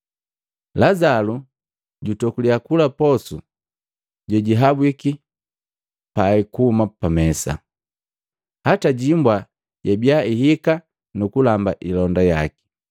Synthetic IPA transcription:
lazalu | ɟutɔkuliakulapɔsu | ɟɛɟiɦabwiki | paikuhumapamɛsa̰ | hataɟimbwa | ɟabjaiɦika | nukulambaʔilɔndajaki̥

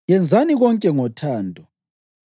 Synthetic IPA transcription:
jɛnd͡zʱaniɣɔŋkʼɛŋɔtʰaːndʱɔ

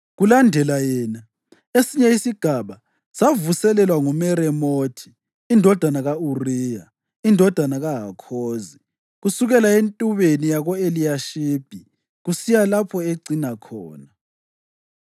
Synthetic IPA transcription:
ɣulandʱɛlajɛːna | esiɲɛisiɡ̥ʱaβa | savusɛlɛlwaŋumɛɾɛmoːtʰi̥ː | ndʱɔd̥ʱanaɣauriːja | indʱɔd̥ʱanaɣaɦakʰoːzi | ɣusuɣɛlaentʼuβenijaɣɔeliaʃib̥ʱi | ɣusijalapʰɔeɡ͡ǀinakʰɔːna

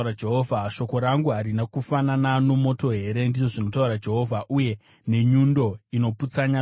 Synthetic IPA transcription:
ɾad͡ʒeɦoːvʱaʃo̞ko̞ɾaŋɡuɦaɾinakufananano̞mo̞to̞ɦe̞ɾe̞ndiʐo̞ʐino̞tauɾad͡ʒe̞ɦo̞ːvʱaʔuje̞ | ne̞ɲundo̞ino̞put͡saɲa

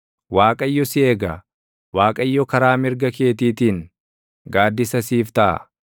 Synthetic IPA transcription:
waːkʼɐjːɔsɪeːɡɐ | waːkʼɐjːɔkɐɾaːmɪɾɡɐke̞ːt̪iːt̪iːnŋ | ɡaːd̪ːɪsɐsiːft̪ɐʔɐ̰

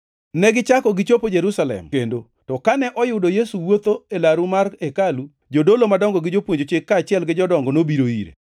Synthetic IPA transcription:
nɛɡɪt͡ʃakɔɡɪt͡ʃopod͡ʒeɾusalɛ̰mkendo | tɔkanɛʔɔjʊdojesuwot̪oelaɾumarekalu | d͡ʒodolomadɔŋɡɔɡɪd͡ʒopwoɲd͡ʒot͡ʃɪkːaːt͡ʃɪɛlɡɪd͡ʒɔdɔŋɡɔnobiɾoiɾḛ

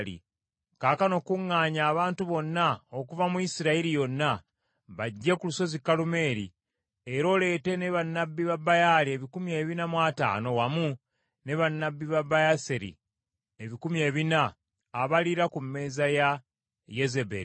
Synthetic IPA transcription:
lḭ | kaːkano̞kuŋːaːɲaːβaːntuβo̞nːao̞kuvamuisiɾaiɾijo̞nːa | βaɟːe̞kuluso̞zikːalume̞ːɾḭ | eɾo̞ːle̞ːte̞ne̞βanːabːiβabajalie̞βikumie̞ːβinamwata̰ːno̞wamu | ne̞βanːabːiβabajaseɾḭ | eβikumie̞ːβinaː | βaliɾakumːe̞ːzaja | je̞zebḛɾ

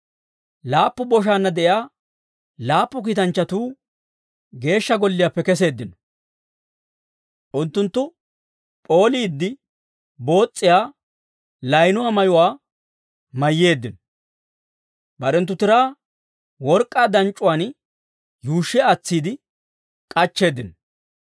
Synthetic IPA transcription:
laːpːʊbɔʃ̬aːnːɐd̪ɛʔjaː | laːpːʊk̬iːt̪ɐnt͡ʃːɐt̪uː | ɡe̞ːʃːɐɡɔlːɪjaːpːɛkɛs̬e̞ːd̪ːɪnɔ̥ | ʔʊnt̪ːʊnt̪ːʊ | pʼo̞ːliːd̪ːɪ | bo̞ːt͡sʼːɪjaː | lɐjnʊwaːmɐjʊwaː | mɐjːe̞ːd̪ːɪnɔ | bɐɾɛnt̪ːʊt̪ɪɾaː | wɔɾkʼːaːd̪ɐnt͡ʃʼːʊwaːn | juːʃːɪɐt͡sːiːd̪ɪ | kʼɐt͡ʃːe̞ːd̪ːɪnɔ

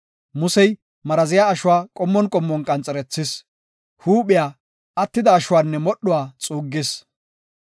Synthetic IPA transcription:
mʊsɛj | mɐɾɐzɪjaːɐʃʊwaːkʼɔmːɔnkʼɔmːɔnkʼɐnt͡sʼɛɾɛt͡sːɪs | huːɓɪjaː | ɐt̪ːɪd̪ɐːʃʊwaːnːɛmɔɗːʊwaːt͡sʼuːɡːɪs

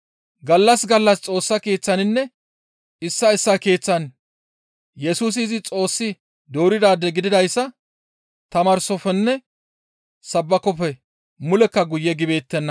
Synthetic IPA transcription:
ɡɐlːɐsɡɐlːɐst͡sʼo̞ːsːɐke̞ːt͡sːɐnɪnːɛ | ɪsːɐɪsːake̞ːt͡sːɐn | jɛsuːs̬ɪːzɪt͡sʼo̞ːsːɪ | d̪o̞ːɾɪd̪aːd̪ɛɡɪd̪ɪd̪ɐjsːɐ | t̪ɐmɐɾsɔfɛnːɛ | sɐbːɐkɔfɛ | mʊlɛkːɐɡʊjːɛɡɪbe̞ːt̪ːɛnːɐ

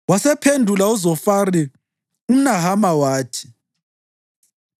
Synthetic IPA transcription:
wasɛpʰendʱulauzɔfari | um̩naɦamawaːtʰi̥

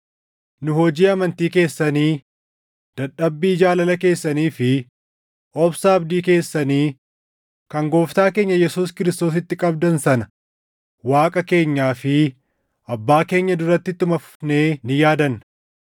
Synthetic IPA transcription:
nʊɦɔd͡ʒiːɐmɐnt̪iːke̞ːsːɐniː | d̪̥ɐᶑɐbːiːd͡ʒaːlɐlɐke̞ːsːɐniːfɪ | ʔɔbsaːɐbd̪iːke̞ːsːɐniː | kɐŋɡo̞ːft̪aːke̞ːɲːɐjɛsuːskɪɾɪst̪o̞ːs̬ɪt̪ːɪkʼɐbd̪ɐnsɐnɐ | waːkʼɐke̞ːɲːaːfɪ | ʔɐbːaːke̞ːɲːɐd̪ʊɾɐt̪ːɪt̪ːʊmɐfʊ̥ne̞ːnɪjaːd̪ɐn

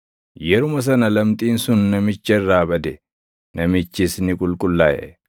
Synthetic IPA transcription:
jɛɾʊmɐs̬ɐnɐlɐmt̪ʼiːnsʊnːɐmɪt͡ʃːɐɪrːaːbɐd̪ɛ | nɐmɪt͡ʃːɪsnɪkʼʊlkʼʊlːaːjɛ̰

